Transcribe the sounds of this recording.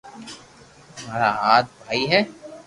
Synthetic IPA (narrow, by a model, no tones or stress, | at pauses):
maːɾaaːt̪̚bʱaːiɦɛ